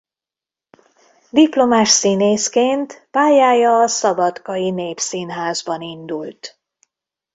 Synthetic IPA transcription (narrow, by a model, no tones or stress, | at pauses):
d̪iplo̞maːʃsineːskeːnt̪paːjaːjɒːsɒbɒt̪kɒjineːpsinɦaːzbɒnind̪ult̪